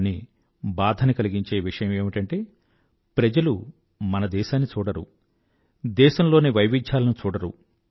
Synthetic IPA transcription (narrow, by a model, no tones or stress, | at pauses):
ni | baːd̪ʱɐnɐkɐliɡiɲt͡ʃe̞ːʋiʂɐjɐmeːmiʈɐɳʈe̞ː | pɾɐd͡ʒɐlu | mɐnɐd̪ɛːʃaːnːit͡ʃuːɽɐɾṵ | d̪ɛːʃɐmlo̞ːniʋɐjʋit͡ʃaːlɐnut͡ʃuːɽɐɾṵ